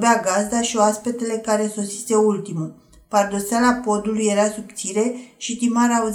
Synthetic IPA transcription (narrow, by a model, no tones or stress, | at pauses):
beaɡazd̪aʃioaspe̞t̪ele̞kaɾe̞so̞si̥se̞ult̪imu | pard̪o̞salapo̞d̪uluje̞ɾasupt̪siɾe̞ʃit̪imaɾauz